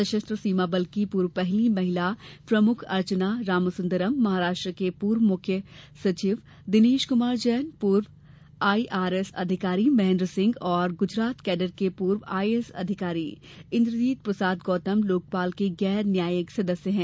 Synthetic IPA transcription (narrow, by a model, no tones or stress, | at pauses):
d̪ɐʃəst̪ɾəsiːmabɐlkipuːɾʋpɛɦlimɐɦɪlapɾɐmʊkʰɐ̰ɾt͡ʃənaɾaːmsʊ̃nd̪əɾəmːɐɦaːɾaːʃʈɾəkepuːɾʋmʊkʰjəsɐt͡ʃiːʋ | d̪ɪneːʃkʊmaːɾd͡ʒɛːnpuːɾʋ | aːiʔaːɾesɐ̰d̪ʱɪkaːɾimɛɦːndɾəsɪ̃ŋɡɔːɾɡʊd͡ʒɾaːt̪kɛːɖəɾkepuːɾwa̰ːiesɐ̰d̪ʱɪkaːɾi | ɪ̃nd̪ɾd͡ʒiːt̪̚pɾɐsaːd̪ɡɔːt̪əmloːk̚paːlkeɡɛːɾnjaːjəksɐd̪əsjəɦɛ̃ː